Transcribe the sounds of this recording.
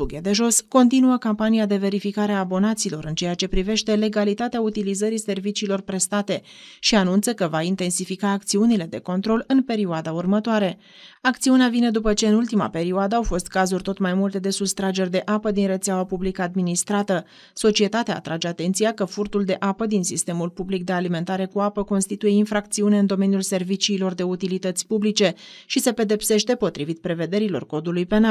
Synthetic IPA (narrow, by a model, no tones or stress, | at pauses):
fuɡʲed̪e̞ʒo̞sko̞nt̪inuəkampanijad̪e̞ve̞ɾifikaɾeaːbo̞nat̪siːlo̞ɾɨnt͡ʃe̞jat͡ʃe̞pɾive̞ʃt̪e̞le̞ɡalit̪at̪eaut̪ilizəɾise̞rvit͡ʃiːlo̞rpɾe̞st̪at̪e̞ | ʃianunt̪səkəvaint̪e̞nsifikaːkt̪siunile̞d̪e̞ko̞nt̪ɾo̞lɨnpe̞ɾiuad̪aurmət̪oaɾe̞ | akt̪siuneavine̞d̪upət͡ʃe̞ɨnult̪ima̰pe̞ɾiuad̪əawfo̞st̪̚kazurʲt̪o̞t̪majmult̪e̞d̪e̞sust̪ɾad͡ʒe̞rʲd̪e̞ʔapəd̪inre̞t̪seawapublikəad̪minist̪ɾat̪ə | so̞t͡ʃie̞t̪at̪ea̰ːt̪ɾad͡ʒe̞at̪e̞nt̪sijakəfurt̪uld̪e̞ʔapəd̪insist̪e̞mulpublik̚d̪ealime̞nt̪aɾe̞kuapəko̞nst̪it̪uje̞infɾak̚t̪siune̞ɨnd̪o̞me̞nijulse̞rvit͡ʃiːlo̞rd̪e̞ut̪ilit̪ət̪sʲpublit͡ʃe̞ | ʃise̞pe̞d̪e̞pse̞ʃt̪e̞po̞t̪ɾivit̪̚pɾe̞ve̞d̪e̞ɾilo̞̰rko̞d̪ulujpe̞nal